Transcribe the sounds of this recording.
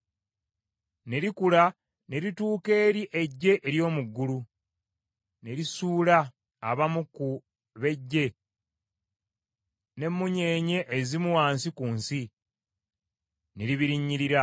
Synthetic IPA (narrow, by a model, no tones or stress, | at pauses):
ne̞ɾikula | ne̞ɾituːke̞ːɾiʔe̞ɟːe̞ʔeɾjo̞ːmuɡːulu | ne̞ɾisuːlaː | βamuku | βe̞ɟːe̞ | ne̞mːuɲe̞ːɲe̞ʔːzimuwaːnsikuːnsi | ne̞ɾiβiɾiɲːiɾiɾa